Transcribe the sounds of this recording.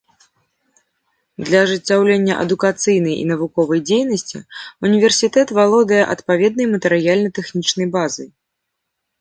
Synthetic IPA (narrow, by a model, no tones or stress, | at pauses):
d̪lʲɐʐɨt͡sʲːawlʲenʲːɐʔɐ̰d̪ukat̪sɨjnɐjḭnɐvukɔvɐjd͡zʲejnɐsʲt͡sʲḭunʲivʲɛrsʲit̪ɛt̪valˠɔd̪ɐjɛʔɐt̪pavʲɛd̪̚nɐjmɐt̪ɛɾɨjalʲnɐt̪ɛxnʲit͡ʂnɐjbazɨj